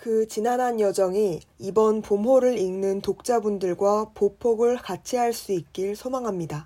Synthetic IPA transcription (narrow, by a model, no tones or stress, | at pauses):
kɯt͡ɕinanɦanjʌd͡ʑʌŋiibʌnpomɦoɾɯɾiŋnɯntok̚t͡ɕ͈abundɯɭɡwapopʰoɡɯɭkat͡ɕʰiɦaɭs͈uik̚k͈iɭsʰomaŋɦamɲida